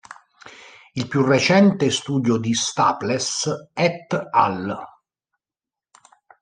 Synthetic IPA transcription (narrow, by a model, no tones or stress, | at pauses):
ilpjurːet͡ʃɛnt̪est̪uːd̪jod̪ist̪a̰ːplesɛt̪ːa̰l